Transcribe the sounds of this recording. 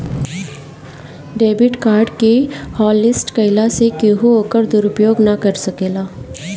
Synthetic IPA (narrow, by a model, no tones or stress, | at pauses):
ɖeːbɪʈkaːɾɖkehɔːlːɪsʈkɐɪlasekeɦuoːkəɾd̪ʊɾʊpjoːɡnɐkɐɾsɐkeːlaː